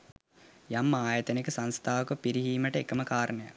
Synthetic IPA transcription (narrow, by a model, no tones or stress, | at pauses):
jamːaːjɐt̪ənekəsanst̪ʰaːʋəkəpiɾiɦiːməʈəekəməkaːɾənəja̰